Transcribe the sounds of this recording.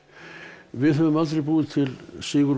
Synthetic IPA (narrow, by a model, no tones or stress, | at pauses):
vɪðɦœvʏmalt̪ɾejpuːðɪt̪ʰɪlsɪːɣʏɾ